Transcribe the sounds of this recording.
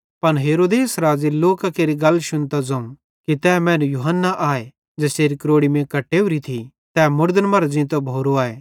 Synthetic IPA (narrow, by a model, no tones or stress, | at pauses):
pɐnɦeːɾoːd̪eːsɾaːziloːkakeːɾiɡɐlːʃʊnt̪ad͡zɐũ | kit̪ɛːmɛ̃ːnũjuɦənːaʔaːe | d͡ʒɛːseːɾikɾoːɽimẽkɐʈːeːʊɾit̪ʰi | t̪ɛːmʊɾd̪ənmɐɾzĩt̪obʱoːɾoaːeː